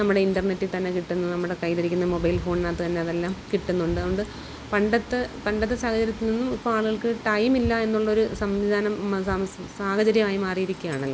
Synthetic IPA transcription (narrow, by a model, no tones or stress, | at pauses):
nɐmːuɽe̞indɐrnetːit̪ɐnːe̞kiʈːunːɐnɐmːuɽe̞kɐjleiɾikʲːunːɐmo̞bɐjilfo̞ːɳnaːt̪ːɨt̪ɐnːeɐðelːaːmkiʈːunːuɳɖɨɐðoɳɖɨ | pɐɳɖɐt̪ːɨpɐɳɖɐt̪̬ːɨsaːhɐt͡ɕɐɾjɐt̪ːilninːumipːoːaːɭuɣɐɭkɨʈɐjmilːɐe̞nːuɭːɐo̞ɾusɐmʋid̪ʱaːnɐm | saːhɐt͡ɕɐɾjɐmaːjimaːrijiɾikʲːujaːɳɐlːɐ